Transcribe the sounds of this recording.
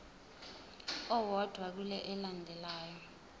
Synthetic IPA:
ɔwɔd̥ʱwak̬ulɛʔɛlandʱɛlaːjɔ

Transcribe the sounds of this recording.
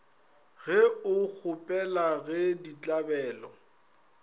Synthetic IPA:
ɣɛʊk͡xʰʊpʼɛlaɣɛdit͡ɬʼabɛːlɔ

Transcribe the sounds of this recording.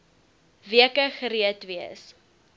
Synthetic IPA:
viəkəχəɾiətviəs

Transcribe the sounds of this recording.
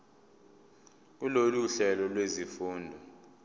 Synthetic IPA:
k̬uloluɬɛlɔlwezifuːndʱɔ

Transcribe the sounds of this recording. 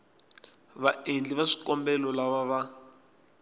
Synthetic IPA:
βaend͡ɮiβaʂi̥kɔmbɛlɔlaβaβa

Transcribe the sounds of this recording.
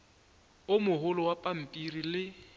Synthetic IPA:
ʊmʊɦʊlɔwapʼam̩pʼirilɪ

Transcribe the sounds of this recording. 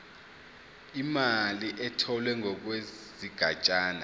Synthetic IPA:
imaliʔɛtʰɔlwɛŋɔk̬we | ziɡ̥ʱat͡ʃʼaːna

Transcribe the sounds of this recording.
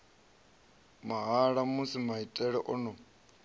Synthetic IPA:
maɦaɺamusimaɦitʼɛɺɛʔɔnɔ

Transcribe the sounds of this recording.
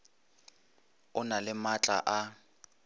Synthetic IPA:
ʊnalɪmat͡ɬʼa̰ʔa

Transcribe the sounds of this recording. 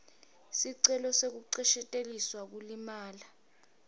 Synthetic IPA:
siǀɛlɔsek̬uǀɛʃɛtʼeliswak̬ulimaːla

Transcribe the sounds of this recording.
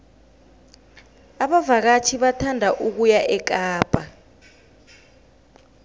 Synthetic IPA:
aɓavak̬at͡ʃʰiɓatʰandʱaʔuk̬ujaʔɛk̬ʼaːpʼa

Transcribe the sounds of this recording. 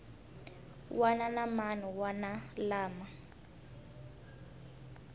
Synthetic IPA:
wʔananamanuwanalaːma

